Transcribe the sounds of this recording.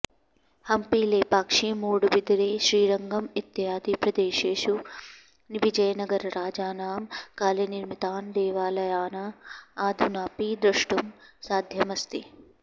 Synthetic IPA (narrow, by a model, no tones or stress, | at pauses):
hɐmpiːleːpaːkʂiːmuːɽubid̪ɾeːʃɾiːɾɐŋɡɐmit̪ːɐɦaːd̪ipɾɐd̪eːʃeːʃu | niʋid͡ʒɐjɐnɐɡɐɾɐɾaːd͡ʒaːnaːmkaːljɐniɾmit̪aːnd̪ɛːʋaːlɐjaːnɐaːd̪ʱunaːpiːd̪ɾɐʂʈumsaːd̪ʱjɐmɐst̪i